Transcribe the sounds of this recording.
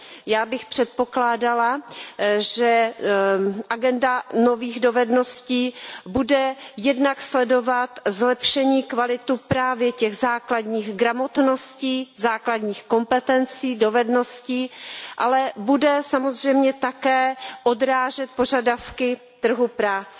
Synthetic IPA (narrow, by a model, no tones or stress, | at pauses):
jaːbɪxpr̥ɛt̪̚po̞klaːdala | ʒɛ | ʔaɡɛndano̞viːɣdo̞vɛdno̞sciːbudɛjɛdnakslɛdo̞vat̪zlɛpʃɛɲiːkvalɪt̪upɾaːvjɛcɛɣzaːkladɲiːɣɡɾamot̪no̞sciːzaːkladɲiːxko̞mpɛt̪ɛnt͡siːdo̞vɛdnosciːʔalɛbudɛsamozr̝ɛjmɲɛt̪akɛːʔodɾaːʒɛt̪̚po̞ʒadafkɪ | t̪r̩ɦupɾaːt͡sɛ